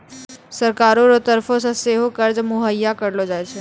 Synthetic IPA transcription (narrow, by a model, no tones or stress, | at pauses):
səɾkaːɾõɾot̪ɐɾfʰõsãseːɦokəɾd͡ʒmʊɦəjːakɐɾlod͡ʒaːet͡ʃʰe